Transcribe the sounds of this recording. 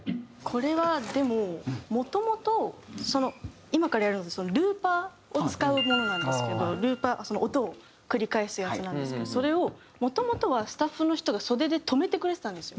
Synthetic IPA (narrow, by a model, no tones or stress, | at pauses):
kʰo̞ɾe̞βad̪e̞mo̞mo̞t̪o̞mo̞t̪o̞so̞no̞ | imakaɾajaɾɯ̟nod̪eso̞noɾɯ̟ːpa | ot͡sɨ̥kaɯ̟mo̞no̞nãnd̪e̞sɨ̥ke̞d̪o̞ɾɯ̟ːpaʔso̞noot̪o̞ː | kɯ̟ɾʲikae̞sɨjat͡sɨnãnd̪sɨ̥ked̪oso̞ɾe̞o̞ | mo̞t̪o̞mo̞t̪o̞βasɨ̥t̪aɸːɯno̞çi̥t̪o̞ɡaso̞d̪e̞d̪e̞t̪ʰo̞me̞t̪e̞kɯɾe̞t̪et̪ãnd̪e̞sɨijo